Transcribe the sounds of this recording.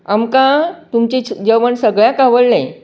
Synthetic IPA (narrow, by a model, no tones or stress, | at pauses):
amkãt̪umt͡ɕed͡ʑəʋəɳsəɡɭjakaʋəɽlẽ